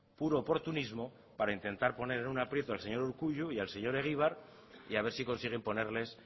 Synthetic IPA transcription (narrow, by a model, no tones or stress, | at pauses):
puɾo̞ːpo̞ɾt̪unizmo̞ | paɾaint̪e̞nt̪aɾpo̞ne̞ɾe̞nunapɾje̞t̪oalse̞ɲo̞ɾuɾkuʎuialse̞ɲo̞ɾe̞ɣ̞iβ̞aɾ | iaβe̞ɾsiko̞nsiɣ̞e̞mpo̞ne̞ɾle̞s